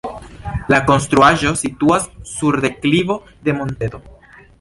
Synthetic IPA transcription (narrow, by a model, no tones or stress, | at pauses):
lako̞nst̪ɾuaʒo̞situasːuɾd̪e̞klivo̞ | d̪e̞mo̞nt̪edo̞